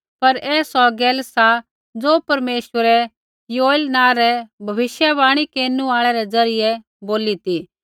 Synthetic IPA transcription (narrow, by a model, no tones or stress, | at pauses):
pɐɾɛːsɔɡɛːlsa | d͡zoːpɐɾmeːʃʋəɾɛ | joːɪlnãːɾɛbʱɐʋɪʃjaβaːɽ̃ikeːnuaːɭɛɾɛd͡zɐɾɪjɛ | boːlit̪iː